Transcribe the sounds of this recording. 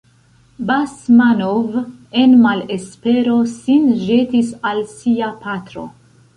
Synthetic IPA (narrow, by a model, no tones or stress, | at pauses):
basmanovenmalespe̞ɾo̞sinʒe̞tisalsiapatɾo̞̰